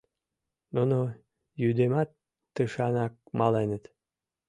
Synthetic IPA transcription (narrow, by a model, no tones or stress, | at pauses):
nono | jyd̪emɑt̪ː | əʃɑnɑk̚mɑlenət̪